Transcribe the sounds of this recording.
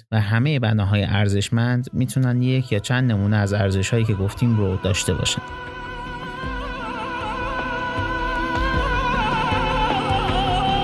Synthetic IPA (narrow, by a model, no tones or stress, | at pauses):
væɦæme̞je̞bænɒːɦɒːjeʔæɾze̞ʃmænd̪miːt̪ʰunænd̪je̞cʰjɒːt͡ʃʰænd̪ne̞muːneæzæɾze̞ʃhɒːjiːcʰe̞ɡo̞ft̪ʰiːmɾod̪ɒːʃt̪e̞bɒ̰ːʃænd̪